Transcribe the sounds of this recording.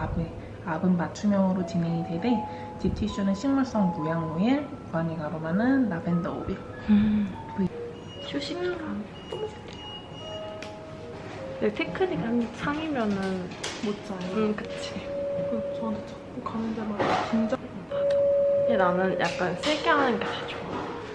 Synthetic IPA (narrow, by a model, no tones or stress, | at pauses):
abe | abɯnmat͡ɕʰumjʌŋɯɾot͡ɕiŋeŋidwede | t͡ɕip̚tʰiɕ͈unɯɕʰiŋmuɭs͈ʌŋmojaŋnue | paniɡaɾomanɯnːabendʌo̰bi | kɯ | ɕʰuɕʰimʌŋɡan | p͈omɯsʰetʰe̥ | netʰekʰɯɲikanit͡ɕʰaŋimjʌnɯnmot̚t͡ɕ͈ʌkɾʌk͈at͡ɕʰikɯt͡ɕʌatʰet͡ɕʰʌk͈ukanɯndemant͡ɕind͡ʑʌ | pʰad͡ʑoenanɯnjʔa̰k̚k͈ansʰeɡeɦanɯnɡekad͡ʑo